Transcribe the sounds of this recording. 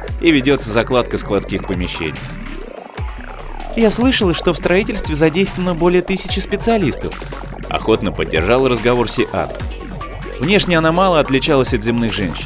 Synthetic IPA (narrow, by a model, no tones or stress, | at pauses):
ivʲɪdʲo̞t̪səzɐklˠat̪̚kəsklˠɐt̪skʲixpəmʲɪɕːḛnʲɪj | jaslˠɨʂəlˠəʂt̪o̞fst̪ɾɐitʲɪlʲst̪vʲɪzɐdʲejst̪vənːəbo̞lʲɪjət̪ɨsʲɪt͡ɕɪspʲɪt̪sɨɐlʲist̪əf | ɐ̰xo̞t̪nəpədʲːɪ̰rʐalˠəɾəzɡɐvo̞rsʲɪʔa̰t̪ | vnʲe̞ʂnʲɪjɐnamalˠəɐt̪lʲɪt͡ɕalˠəsʲɐt̪zʲɪmnɨxʐɛnʲɕːɪn